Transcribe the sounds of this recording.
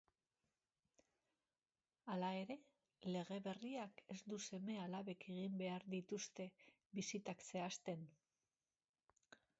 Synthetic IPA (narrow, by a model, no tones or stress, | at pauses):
alae̞ɾe̞ | le̞ɣe̞βe̞riake̞zd̪use̞me̞alaβe̞kʰe̞ɣimbe̞aɾðit̪ust̪e̞ | βisit̪akse̞ast̪e̞n